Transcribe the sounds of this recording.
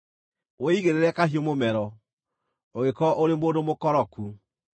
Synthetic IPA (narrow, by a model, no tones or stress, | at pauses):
weiɣeɾeɾɛkaɦiomomɛɾɔ | oɣekɔʔoɾemoːndomokɔɾɔku